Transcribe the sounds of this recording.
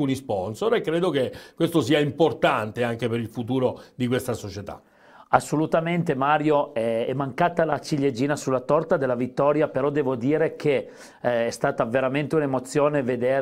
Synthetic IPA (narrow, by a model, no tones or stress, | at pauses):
unispɔnsoɾekːɾeːd̪okekwest̪osiːaimport̪ant̪eaŋk̟epeɾilfut̪̬uːɾod̪ikwest̪asot͡ʃet̪a̰ | asːolut̪ament̪emaːɾjoɛɛmːaŋkaːt̪alat͡ʃiʎːed͡ʒiːnasulːat̪ɔrt̪ad̪elːavit̪ːɔːɾjapeɾɔd̪ɛːvod̪iːɾekʰe | ɛst̪aːt̪aveɾament̪eunemot̪sːjoːneved̪eːɾ